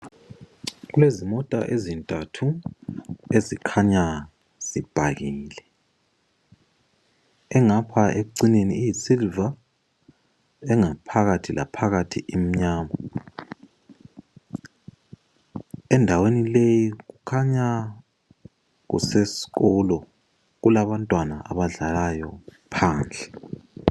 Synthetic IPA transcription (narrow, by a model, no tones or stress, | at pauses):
ɣulezimɔtʼa̰ʔezintʼatʰu | ezikʰaɲa | z̥ib̥ʱaɣiːlɛ | ɛŋapʰaeǀineniːjisilva | ɛŋapʰaɣatʰila̰pʰaɣatʰḭʔim̩ɲaːma | ɛndʱawenilejiɣukʰaɲa | ɣṵsesi̥ɣɔlɔ | ɣulaβantʼwanaʔa̰βaɮalajɔ | pʰaːnd͡ɮʱɛ